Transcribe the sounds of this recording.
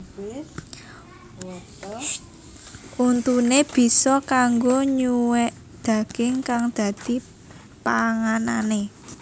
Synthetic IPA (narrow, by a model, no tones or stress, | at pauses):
ʔunt̪uneb̥i̤sɔkaŋɡoɲuwɛʔ | d̪̥ä̤ɡ̥ɪŋkaŋd̪̥a̤d̪̥i̤ | paŋanane